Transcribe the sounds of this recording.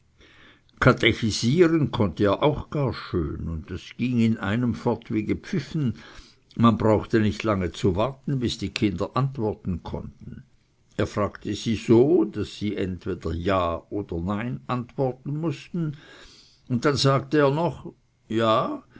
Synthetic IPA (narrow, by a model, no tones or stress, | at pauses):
kʰateçiziːʁənkʰɔntəeːɐʔaʊxɡ̥aːɐʃø̰ːnʊntd̥asɡ̥iːŋɪnʔa̰ɪnəmfɔʁtv̥eːɡəpp͡fɪfn̩ | manbʁaʊxtənɪçtlaŋət͡suvaʁtn̩bɪsd̥iːkʰɪndɐʔantv̥ɔɐtn̩kʰɔ̰ntn̩ | eːɐfʁ̥aːɡtəz̥iːz̥oːd̥asːiːʔɛntv̥eːd̥ɐjaːoːd̥ɐnaɪnʔantv̥ɔɐtn̩mʊstn̩ | ʊnt̚d̥anzaːktəeːɐnɔχ | jaː